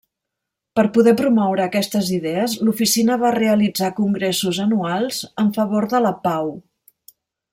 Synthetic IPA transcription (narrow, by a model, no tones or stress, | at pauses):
pəɾpuðɛpɾumɔwɾəːkɛst̪əziðɛəzlufisinəβ̞areəlid͡zakuŋɡɾɛsuzənualˠzəɱfəβoɾðələpaw